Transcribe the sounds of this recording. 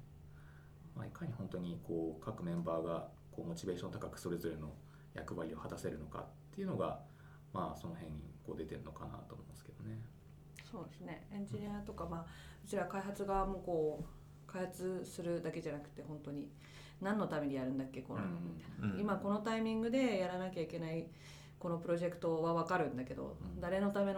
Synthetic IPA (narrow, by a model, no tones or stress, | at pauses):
maikʰaɲ̟ihõ̞nt̪o̞ɲ̟ikʰo̞ːkʰakɯ̟mẽ̞mbaːɡa | ko̞ːmo̞t͡ɕibe̞ːɕont̪ḁkakɯ̟̥so̞ɾe̞zo̞ɾe̞no̞ | ja̰kɯ̟βaɾʲio̞hat̪ase̞ɾɯ̟no̞ka̰t̪ːe̞iɯ̟no̞ɡa̰ | maːso̞no̞hẽ̞ɲ̟ːḭko̞ːd̪e̞t̪e̞ɾɯ̟no̞kana̰t̪oːmoimasɨ̥ke̞d̪̥o̞ne̞ | so̞ːd̪esɨne̞ẽ̞ɲ̟d͡ʑiɲ̟ʲiat̪o̞kamaː | bɯt͡ɕiɾakaiɦat͡sɨɡamo̞ːko̞ː | kaihat͡sɨsɨɾɯ̟d̪ake̞ʑanakɯ̟̥t̪ːe̞hõ̞nt̪o̞ɲ̟i | nãnːo̞t̪ame̞ɲijaɾɯ̟nd̪akːe̞konoianimako̞no̞t̪aimʲĩŋɡɯ̟d̪e̞jaɾanakʲaike̞nai | ko̞no̞pɯ̟ɾo̞ʑe̞kɯ̥t̪o̞βaβakaɾɯ̟̃nd̪ake̞d̪o̰d̪aɾe̞no̞t̪ame̞no